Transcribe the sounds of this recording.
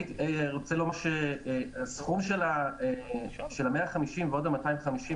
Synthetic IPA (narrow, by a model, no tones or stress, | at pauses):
iteʁot͡selomaʃeasχumʃelaeʃelameaχamiʃimveodamataimχamiʃi